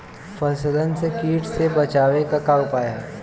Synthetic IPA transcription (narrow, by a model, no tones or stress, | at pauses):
fɐslənsekiːʈsebɐt͡ʃaːʋekakaʊpaːjaɦɛː